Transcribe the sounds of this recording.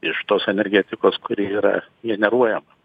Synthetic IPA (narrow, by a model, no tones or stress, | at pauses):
ɪʃt̪oːsɛnʲɛɾʲɡʲɛːt̪ʲɪkoːskʊɾʲiiːɾɐ̰ | ɡʲɛnʲɛɾuɔjɛmɐ